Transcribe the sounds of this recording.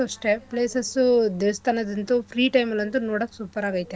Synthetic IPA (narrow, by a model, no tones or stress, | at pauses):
oʂʈepleːsɐsud̪eʋst̪anɐd̪ɐnt̪ufɾiːʈɐjmɐlɐnt̪unoːɽɐksuːpɐɾaɡɐjt̪e